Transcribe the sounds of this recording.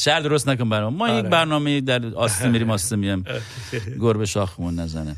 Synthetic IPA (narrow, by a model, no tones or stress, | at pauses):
ʃæɾd̪oɾos̬t̪næk̬onbæɾmɔmːɒːjekbæɾnɒːmejid̪æɾɒːssemiɾiːmɒːssemijæm | ɡoɾbeʃɒːxemunːæzæ̰ne